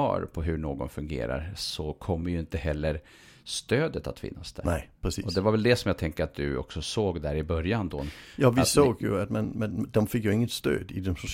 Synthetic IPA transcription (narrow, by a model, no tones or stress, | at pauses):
ɑ̰ːɾpʰɔɦɵɳoːɡɔ̰nfɵŋɡḛːɾa̰ɾsɔkʰɔmːəɾjɵɪnt̪əhɛlːəɾ | st̪øːd̪ət̪at̪fɪ̰nːasd̪̥æɾnɛɪpʰɾɛsiːɔd̪ɛvaɾvɛld̪ɛsɔmjaːt̪ʰɛŋkəɾat̪̚d̪ɵɔ̰ksɔsoːɡd̪æɾɪbœɾjand̪ɔjɑːvɪsoːɡjɵ̰at̪manmɛnd̪ɔmfɪkːjɵɪŋːət̪st̪ø̰ːd̪ɪd̪ɔmsʊ